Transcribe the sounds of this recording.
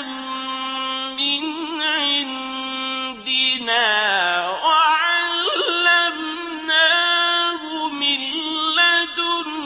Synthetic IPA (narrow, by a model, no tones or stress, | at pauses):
m | ɪn | ʕɪn | d̪ɪnaːwaʕallːam | naːhʊmɪnlad̪ʊ